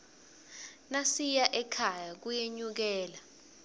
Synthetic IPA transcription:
nasijaʔɛkʰajak̬ujeɲuk̬ɛːla

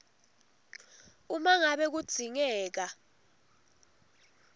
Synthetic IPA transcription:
umaŋaɓɛk̬ud̥z̥ʱiŋɛːk̬a

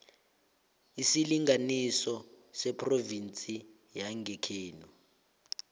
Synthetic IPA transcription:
isiliŋʱanisɔ | sɛpʰʼrovint͡sʼi | jaŋɡɛkʰeːnu

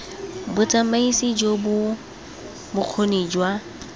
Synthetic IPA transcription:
bʊt͡sʼamaisid͡ʒobʊ | bʊq͡χʰonid͡ʒwa

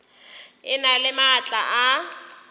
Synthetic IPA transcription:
ɪnalɪmat͡ɬʼaʔa

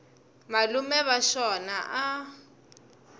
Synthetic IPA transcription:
malumɛβaʃɔnaʔa

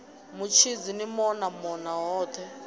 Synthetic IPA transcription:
mut͡ʃʰid͡zinimɔnamɔnaɦɔːtʰɛ

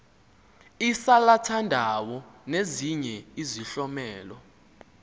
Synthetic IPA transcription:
isalatʰandʱawɔneziɲɛiziɬɔmɛːlɔ

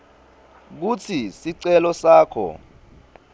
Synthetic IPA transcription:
k̬ut͡sʰisiǀɛlɔsaːkʰɔ̰

